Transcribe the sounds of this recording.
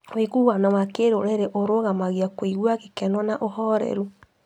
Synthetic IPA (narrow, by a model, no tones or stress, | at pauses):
wekuwanawakeɾoɾɛɾeʔoɾoɣamaɣiakwiɣwaɣekɛnɔnaʔoɦɔɾɛ̰ɾu